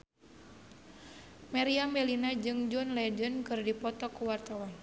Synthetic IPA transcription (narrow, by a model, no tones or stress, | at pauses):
maɾiamɛlinad͡ʒɨŋd͡ʒɔnlɛd͡ʒənkɨrdipɔt̪ɔkuwart̪awan